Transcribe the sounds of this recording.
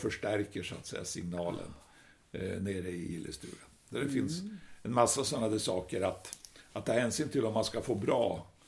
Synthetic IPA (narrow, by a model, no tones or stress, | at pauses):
fœʂʈæɾkəʂʊa̰t̪sɛjːasɪŋnɑːlʔə̰n | neːɾəɪɪ̰lːə̰st̪ʉ̰ːɾənd̪æɖɛfɪnsɛnmasːasɔnːad̪ɛsɑːkəɾat̪at̪̚ʰːɑːhɛːnsyːnt̪ʰɪlɔmːanskafoːbɾɑ̰ː